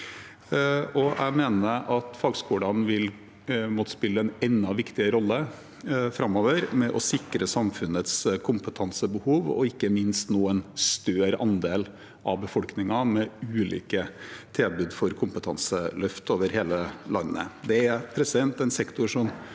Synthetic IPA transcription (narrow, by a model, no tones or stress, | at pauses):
ɔʔæ̰meːnəɾʔɑt̪fɑɡskuːɽɑnʋɪl | muːt̪spɪlːəɛnɛnːɑʋɪkt̪ɪəɾɔlːə | fɾɑmːoːʋəɾmɛʔɔsɪkɾəsɑmfʉnət̪skʰʊmpət̪ʰɑnsəbəhuːʋɔ̰ɪkːəmɪnst̪nuːənst̪øːɾɑnd̪eːl | ʔɑ̰bəfɔlknɪŋɑmɛʉːlḭːkət̪ʰeːbʉːd̪fɔɾkʰʊmpət̪ʰɑnsəlœft̪oːʋəɾheːləlɑ̰nːə̰d̪ɛæɾpʰɾɛsd̪ɛnt̪ɛɪnsɛkt̪ʊɾʂɔm